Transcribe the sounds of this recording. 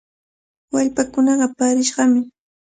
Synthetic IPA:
waʎpakʊnɑɢɑpaːɾɪʃɢɑmɪ

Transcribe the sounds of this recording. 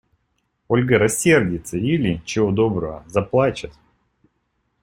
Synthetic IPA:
o̞lʲɡəɾɐsʲːe̞rdʲɪt̪səilʲɪt͡ɕɪvod̪o̞bɾəvə̰zɐplˠat͡ɕɪt̪

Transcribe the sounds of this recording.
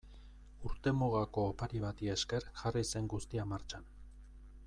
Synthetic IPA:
uɾt̪e̞muɣako̞ːpaɾiβat̪ie̞ske̞ɾʝarise̞ŋɡust̪iamaɾt͡ʃan

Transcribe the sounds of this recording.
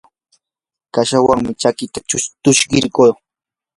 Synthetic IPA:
kaʃawaŋmɪt͡ʃakɪt̪ḁt͡ʃʊt̪ʊʃɢɪɾkoː

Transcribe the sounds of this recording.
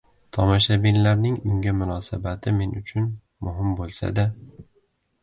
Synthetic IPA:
t̪ʰɒmaʃabinlaɾnɪŋʊŋɡʲamʊnɒsabat̪ʰɪme̞nʊt͡ʃʰʊn | mʊɦɪmbolˠsa̰d̪a

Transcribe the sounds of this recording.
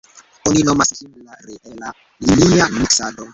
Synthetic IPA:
oninɔmaskimlaɾiʔɛla | iliamiksado

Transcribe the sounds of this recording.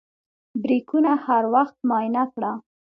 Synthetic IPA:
bɾikunahaɾwaxt̪̚mɑjnakɽa

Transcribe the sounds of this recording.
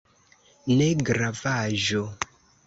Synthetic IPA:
neɡɾavaʒo

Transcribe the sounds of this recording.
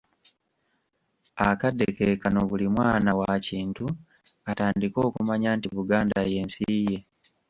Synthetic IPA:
akadekekano̞βulimwaːnawaciːntu | ataːndiko̞ːkumaɲaːntiβuɡaːndaje̞ːnsije̞

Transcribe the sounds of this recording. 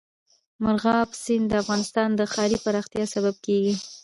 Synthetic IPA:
mʊɾɣɑbsɪnd̪əafɣɑnɪst̪ɑnd̪əxɑɾipaɾɑxt̪jɑsabab̚keɡi

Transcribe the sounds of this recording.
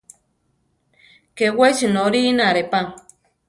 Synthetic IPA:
kewet͡ʃinoɾinaɾepaŋ

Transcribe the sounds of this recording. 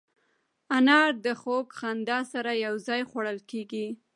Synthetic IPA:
anɑɾd̪əxokxand̪ɑsaɾajawzɑjxwaɽəlkeɡi

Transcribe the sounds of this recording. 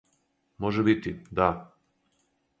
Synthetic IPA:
moʒɛbit̪id̪a

